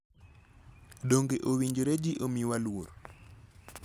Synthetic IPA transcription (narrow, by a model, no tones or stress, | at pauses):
doŋɡeʔowiɲd͡ʒoɾed͡ʒiʔomiwalwoɾo